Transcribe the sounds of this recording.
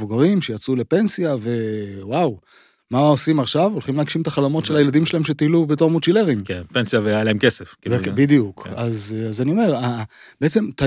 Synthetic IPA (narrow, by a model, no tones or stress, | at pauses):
uɡaʁimʃejat͡sule̞pe̞nsijave̞waw | maosimaχʃavolχimleaɡʃimtaχalomo̞tʃelajeladimʃelahemʃe̞t̪iːlubet̬o̞ʁmut͡ʃile̞ʁimkenpensjavejajalaemkeseffkivebid̪ijukazazanio̞me̞ʁa | beet͡se̞mt̪a